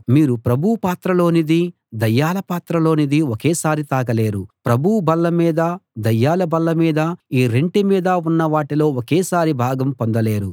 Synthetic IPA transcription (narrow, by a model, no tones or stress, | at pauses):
miːɾupɾɐbʱuwpaːt̪ɾɐlo̞ːnid̪i | d̪ɐjːaːlɐpaːt̪ɾɐlo̞ːnid̪iokɛːsaːɾit̪aːɡɐle̞ːɾupɾɐbʱubɐlːɐmiːd̪ɐd̪ɐjːaːlɐbɐlːɐmiːd̪ɐiːɾeɳʈimiːd̪ɐunːɐʋaːʈilo̞ːokeːsaːɾibʱaːɡɐmpond̪ɐle̞ːɾu